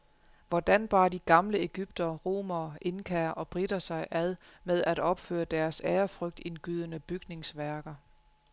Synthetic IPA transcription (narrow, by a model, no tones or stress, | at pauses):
ʋɒd̥ænb̥ɑ̈ːd̥iɡ̥ɑ̈mləe̝ɡ̥yb̥d̥ɐʁo̝̰ːmɐʔe̝nkʰæːɐʔɒ̽b̥ʁidɐsɑ̈ɪʔæð̞ˠmeð̞ˠʔæɾ̥ɒ̽b̥fø̰ːɐd̥æɐseːɐfʁœɡ̥̚d̥e̝nɡ̥yð̞̰ˠənəb̥yɡ̥ne̝ŋsʋæɐɡ̥ɐ